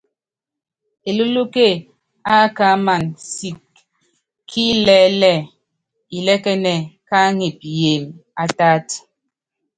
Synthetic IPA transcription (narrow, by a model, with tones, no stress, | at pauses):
e˨lo˦lu˦ke˦˨ | a˦ka˦ma˨nsi˨kʰː | i˦lɛː˦lɛ˦˨ | i˨lɛ˦kɛ˦nɛ˨ka˦ŋe˨pi˨je˨ma˦ta˦t